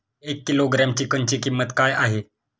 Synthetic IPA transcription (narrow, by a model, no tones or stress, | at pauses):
ekːiloɡɾamt͡ɕiːkəɲt͡ɕiːkimːət̪kajaɦe